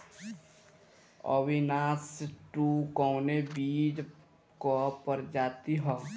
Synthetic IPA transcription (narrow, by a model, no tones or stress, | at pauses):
ɔ̰ʋinaːsʈukɔwnebiːd͡ʒ | kopəɾd͡ʒaːt̪iɦɔː